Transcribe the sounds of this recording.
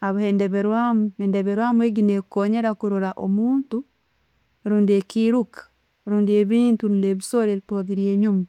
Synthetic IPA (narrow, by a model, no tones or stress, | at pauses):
aβhendeβeɾwamuendeβeɾwamueɡinekoɲeɾakuɾoɾaʔo̰muːntu | ɾuːndiekiɾukḁ | ɾuːndieβiːntuɾuːndeβisoɾeipoðiɾieɲuma